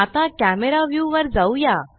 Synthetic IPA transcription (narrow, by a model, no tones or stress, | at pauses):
at̪ãkæmeɾaʋjuʋəɾd͡zauja